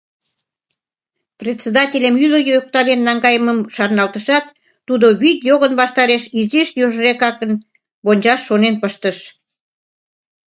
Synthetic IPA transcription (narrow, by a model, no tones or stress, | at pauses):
prʲet̪ʲsed̪ɑtʲelʲemyləjøk̚t̪ɑd̪enːɑŋɡɑjəməmʃɑrnɑlt̪əʃɑt̪ː | ud̪oβit̪joɣənβɑʃt̪ɑɾeʃizeʃjoʒəɾekɑkən | bonʲd͡ʑɑʃːonenpəʃt̪əʃ